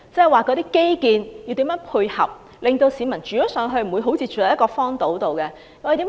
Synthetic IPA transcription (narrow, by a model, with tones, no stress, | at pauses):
t͡sɛ˥˩˨jwaː˨kɔ˧t̪iː˥ke˥jkiː˨˧nji˧wt̪i˨˥jœː˨˥ŋpʰuː˧jhɐ̰˨˩p̚ | lɪ˨ŋt̪o˧wsiː˨˧˥mɐ˨˩nt͡ʃyː˨jɔ˨˥sœː˨˧˥ŋɦɵ˧ɥm̩˨˩wu˨˧jɦo˨˥wt͡sʰiː˧t͡ʃy˨lɐ˨˧jɐ˥kɔː˧fɔː˥ŋt̪o˨˥wt̪o˨wkɛ˧ | ŋɔ˨˧˥t̪i˨˦˥